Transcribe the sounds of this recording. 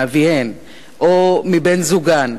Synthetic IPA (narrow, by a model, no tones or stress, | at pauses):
aviɛn | ɔmibɛnzuɡan